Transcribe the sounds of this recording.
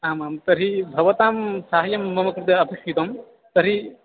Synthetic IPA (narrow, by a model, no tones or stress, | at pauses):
aːmaːmt̪ɐɾibʱɐʋɐt̪aːmsaːɦɐjɐmːɐmɐkɾɪt̪ɐɐpɐʃit̪ɐm | t̪ɐɾi